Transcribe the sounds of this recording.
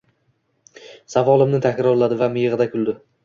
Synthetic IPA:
savɒlˠɪmnɪt̪ʰakʲɾɒɾlad̪ɪvamɪjɨʁɨd̪akʰʲʊld̪ɪ

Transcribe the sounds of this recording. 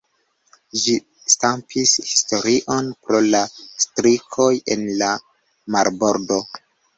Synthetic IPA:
ʒi | stampʰishisto̞ɾiʔo̞npɾo̞lastɾikʰo̞jḛnla | maɾbo̞ɾdo

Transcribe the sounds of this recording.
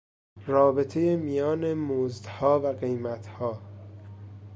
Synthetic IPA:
rɒːbet̪ʰe̞jemijɒːnemozd̪hɒːvæɢejmæt̪ʰhɒː

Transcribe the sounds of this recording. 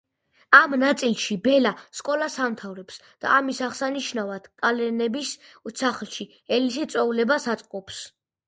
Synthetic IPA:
amnat̪sʼilˠʃibɛlaskʼɔlasamt̪ʰavɾɛpsd̪̥a̰ːmisaʁsaniʃnavad̪̥kʼalɛnɛbissaχlˠʃi | ɛlisit̪sʼɔulɛbasat̪sʼqʼɔps

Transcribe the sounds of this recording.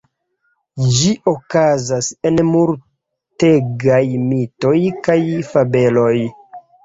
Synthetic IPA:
d͡ʒiʔokazasenmuɾ | teɡajmito̞jkajfabe̞lo̞j

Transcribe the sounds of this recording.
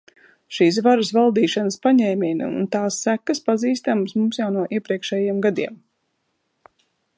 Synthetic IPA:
ʃiːs̬vaɾasvalˠd̪iːʃanəspaɲɛjmʲin̰ṵnt̪aːsːækːɐspaziːst̪amsmumsjawnuɔʔiɛpɾiɛkʃɛːjiɛmɡad̪iɛm

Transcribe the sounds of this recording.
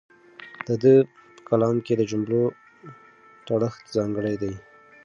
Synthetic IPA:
d̪̥əd̪ə | pə̥kalɑmked̪əd͡ʒʊmblo | t̪aɽəxt̪zɑŋɡəɽajd̪aj

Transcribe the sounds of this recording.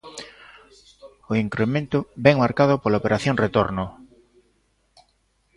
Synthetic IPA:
oiŋkɾemẽnt̪ʊβɛŋmaɾkaðʊpolaopeɾaθjoŋret̪oɾnʊ

